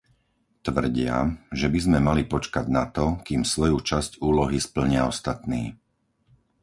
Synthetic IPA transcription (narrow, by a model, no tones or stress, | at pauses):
t̪ʋr̩ɟɪa̰ʒɛbizmɛmalipɔt͡ʃkaɟnat̪ɔkiːmsʋɔjut͡ʃascuːlɔɦispl̩ɲɪaɔst̪at̪niː